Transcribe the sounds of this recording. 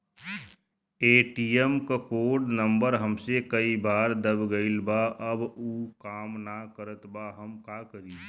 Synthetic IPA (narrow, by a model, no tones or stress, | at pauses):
eːʈiːjəmkakoːɖnə̃mbəɾɦəmsekɐibaːɾd̪əbɡəɪlbaʔɐbuːkaːmnakəɾət̪baɦɐmkaːkəɾiː